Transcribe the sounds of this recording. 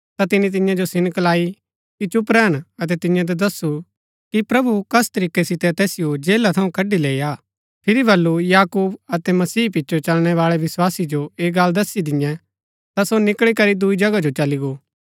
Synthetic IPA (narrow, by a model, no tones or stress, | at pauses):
t̪at̪ɪnit̪̬ɪjãd͡ʒosɪnklaːi | kit͡ʃʊpɾɛɦɐnɐt̪ɛt̪ɪ̃jãd̪̬ɐd̪ɐsːu | kipɾɐbukɐst̪ɐɾiːkesɪt̪ɛt̪ɛːsɪjod͡ʒeːlat̪ʰɐũkɐɖːileːijaː | pʰɪɾibʱɐlːujaːkuːbɐt̪ɛmɐsiːpɪtːʃʰot͡ʃɐlɽ̃ɛʋaːɭɛʋɪswaːsid͡ʒoeːɡɐːld̪ɐsid̪ɪjɛ̃ | t̪asonɪkɭikɐɾid̪ʊid͡ʒɐɡad͡ʒot͡ʃɐliɡoː